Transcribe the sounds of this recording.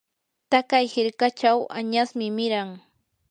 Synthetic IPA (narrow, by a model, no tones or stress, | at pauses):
t̪akajhɪɾkat͡ʃawʔaɲasmɪmɪɾaŋ